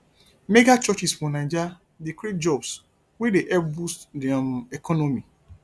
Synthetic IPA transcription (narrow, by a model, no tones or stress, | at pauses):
meɡat͡ʃɔt͡ʃisfɔnãd͡ʒa | dikɾit̚d͡ʒɔbs | wedeʔɛbustdɛam̩ekɔnomi